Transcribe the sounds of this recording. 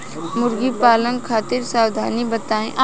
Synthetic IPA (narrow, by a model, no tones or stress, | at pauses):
mʊɾɡipaːlə̃ŋɡkʰaːt̪ɪɾsaːwd̪ʱaːnibət̪aːẽʔa